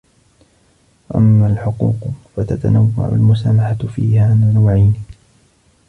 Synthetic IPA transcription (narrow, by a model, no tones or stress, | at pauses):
waʔamːaːlħʊquːqfat̪at̪a̰nawːa̰ʕʊ̰lmʊsaːmaħafiːhaːnanawʕajn